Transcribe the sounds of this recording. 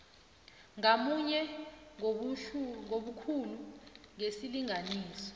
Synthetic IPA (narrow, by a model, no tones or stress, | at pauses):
ŋamuɲɛ | ŋoɓukʰuluŋesiliŋaniːsɔ̥